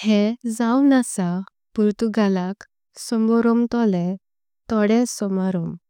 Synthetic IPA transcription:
hed͡zawnasa | puɾt̪uɡʱalak | sɔmbɔɾɔmt̪ɔlɛ | t̪ɔɽɛ̃sɔmaɾɔm

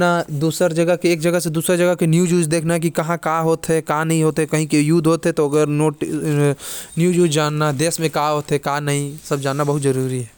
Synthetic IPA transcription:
nad̪uːsɾd͡ʒɐɡəɦkeeːk̚d͡ʒɐɡəɦsed̪uːsɾd͡ʒɐɡəkenjuːd͡ʒuːd͡ʒd̪eːkʰnaɦɛk̬ikɐɦãkaːɦoːt̪ɦɛkãːnɐɦĩɦoːt̪ɦɛkɐɦĩkejuːd̪ʱɦoːt̪ɦɛt̪oɐɡəɾnoʈ | njuːd͡ʒuːd͡ʒd͡ʒaːnːad̪eːsmẽkaːɦoːt̪ɦɛkaːnɐɦĩsɐbd͡ʒaːnːabɐɦʊt̪zɐɾuːɾiɦɛː

